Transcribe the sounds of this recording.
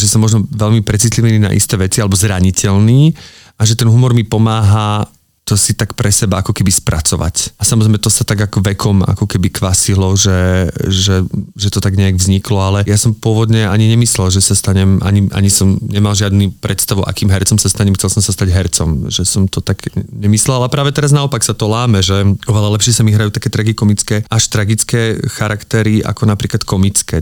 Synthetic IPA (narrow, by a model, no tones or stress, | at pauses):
ʒɛsɔmːɔʒnɔʋɛlmipɾɛt͡sit̪liʋiniːna̰ʔḭst̪ɛːʋɛt͡sialɛbɔzɾaɲicɛlniː | ʔaʒɛt̪ɛnɦumɔɾmipɔmaːɦa | t̪ɔsit̪akpɾɛsɛbaakɔkɛbispɾʔat͡sɔʋa̰casamɔzɾɛɪmɛt̪ɔsat̪aɡakɔʋɛkʰɔma̰kɔkɛbikʋasilɔʒɛʒɛʒɛt̪ɔt̪aɡɲɛaɡvzɲiklɔalɛjasɔmpʊɔʋɔd̪ɲɛaɲiɲɛmislɛlʒɛsast̪aɲɛmʔa̰ɲiʔa̰ɲisɔmɲɛmalʒɪad̪nupɾɛt̪st̪aʋuʔa̰kiːmɦɛɾt͡sɔmsast̪aɲɛmxt͡sɛlˠsɔmsast̪aɟɦɛɾt͡sɔmʒɛsɔmt̪ɔt̪aɡ̥ɲɛmislɛlalapɾaːʋɛt̪ɛɾaznaɔpaksat̪ɔlaːmɛʒɛɔʋɛlalɛpʃɪɛsamiɦɾajut̪ḁkɛːt̪ɾaɡikɔmit͡skɛːʔaʃt̪ɾaɡit͡skɛːxaɾakt̪ɛɾia̰kɔnapɾiːklat̪kɔmit͡skɛː